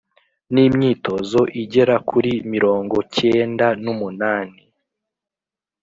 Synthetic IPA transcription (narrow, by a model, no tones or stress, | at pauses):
nimɲiːto̞zo̞ʔiɟe̞ɾakuɾimiɾo̞ːŋɡo̞ce̞ːndanumunaːni